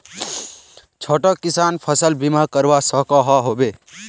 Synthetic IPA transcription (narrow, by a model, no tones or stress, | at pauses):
t͡ʃʰoːʈɔkɪsaːnpʰəsəlbimakəɾʋasəkaɦɔɦoːbeː